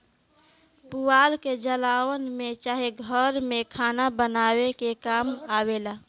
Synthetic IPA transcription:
puaːlked͡ʒəlaːwənmẽt͡ʃaːɦeɡʱəɾmẽkʰaːnabənaːwekekaːmawela

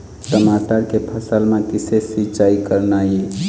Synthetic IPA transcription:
səmataɾkepʰəsəlmẽkisesit͡ʃaikəɾnai

